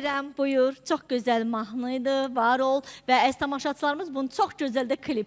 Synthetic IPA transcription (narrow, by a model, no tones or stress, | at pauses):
ɾæmbujuɾt͡ʃʰo̞χɟø̞zælmɑɦnˠɯjd̪ɯvɑɾo̞lˠvææst̪ʰɑmɑʃɑt͡ʃ̪ʰɯlˠɑɾɯmɯzbunɯt͡ʃʰo̞χɟø̞zælʲd̪ækʰilʲip